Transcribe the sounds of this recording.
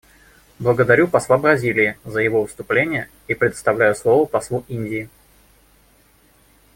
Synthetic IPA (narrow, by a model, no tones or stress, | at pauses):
blˠəɡəd̪ɐɾʲupɐslˠabɾɐzʲilʲɪɪzəjɪvovəst̪ʊplʲenʲɪjə | ipɾʲɪt̪st̪ɐvlʲæjʊslˠo̞vəpɐslˠuinʲdʲɪː